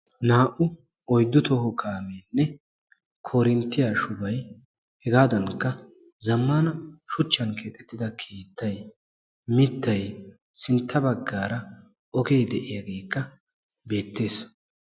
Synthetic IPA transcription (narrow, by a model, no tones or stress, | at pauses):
naːʔʊ | ɔjd̪ːʊt̪ɔɦɔkʰaːmeːnːɛ | kʰoːɾɪnt̪ːɪjaːʃʊbɐj | hɛɡaːd̪ɐnkːɐ | zɐmːanɐʃʊt͡ʃːɐnkʰe̞ːt̪ʼɛt̪ːɪd̪ɐkʰeːt̪ːɐj | mɪt̪ːɐj | sɪnt̪ːɐbɐɡːaːɾɐ | ʔɔkejd̪ɛʔɪjaːɡe̞ːkːɐ | be̞ːt̪ːe̞ːs